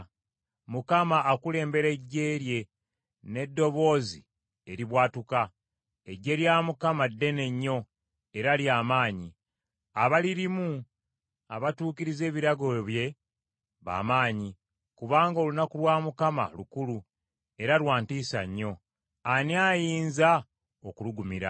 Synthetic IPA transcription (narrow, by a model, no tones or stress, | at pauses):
mukamaːkule̞ːmbe̞ɾe̞ɟːe̞ːɾje̞ | ne̞dːo̞βo̞ːzi | eɾiβwaːtuka | eɟːe̞ɾjaːmukamadːe̞ne̞ɲːo̞ | e̞ɾaljaːmaːɲi | aβaliɾimu | aβatuːkiɾize̞ːβiɾaɡo̞βje̞ | βa̰ːmaːɲi | kuβaːŋɡolunakulwaːmukama̰lukulu | e̞ɾalwaːntiːsa̰ɲːo̞ | aniajiːnza | okuluɡumiɾa̰